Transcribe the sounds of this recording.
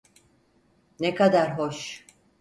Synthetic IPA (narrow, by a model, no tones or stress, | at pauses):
nekad̪aɾɦoʃ